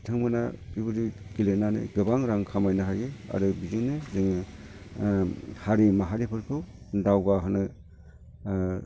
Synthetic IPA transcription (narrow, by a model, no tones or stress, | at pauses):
tʰɯŋmɯna̰bibɯɾiɡilenanɯ̰ɡɯbaŋɾaŋkʰamajnaɦajɡɯa̰ɾɯbizinɯzɯŋɯ | haɾimaɦaɾipʰɯɾpʰɯw | dawɡaɦɯnɯ